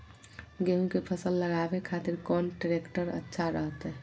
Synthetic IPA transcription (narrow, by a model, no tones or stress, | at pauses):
ɡeɦũkepʰəsəlːəɡabekʰaːt̪ɪɾkɔːnʈɾekʈəɾə̰tːʃʰaɾəɦət̪ɦɛ